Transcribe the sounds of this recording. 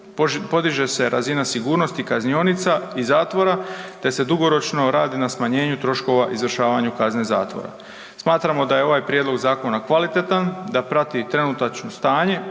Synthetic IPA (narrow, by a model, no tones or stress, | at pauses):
popo̞d̪iʒe̞se̞ɾʔazinasiɡuːɾno̞st̪ikaznionit̪saizaːt̪ʋo̞ɾat̪e̞se̞d̪uɡo̞ɾo̞t͡ʃno̞ɾaːd̪inasmaɲe̞ːɲut̪ɾo̞ʃko̞ʋaʔizʋrʃaːʋaɲukazne̞za̰ːt̪ʋo̞̰ɾa̰ | smaːt̪ɾamo̞d̪ajeo̞ʋajpɾjed̪lo̞ɡzaːko̞nakʋalit̪e̞t̪and̪apɾat̪it̪ɾe̞nut̪at͡ʃno̞st̪aːɲe̞